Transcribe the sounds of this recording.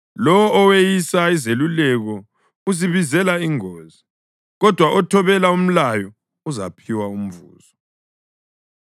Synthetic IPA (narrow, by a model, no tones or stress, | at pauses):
lɔwɔːwejisaizelulɛɣɔ | uziβizɛlaiŋoːzi | ɣɔd̥ʱwaʔɔtʰɔβɛlaum̩lajɔ | uza̰pʰiwaum̩vṵːz̥ɔ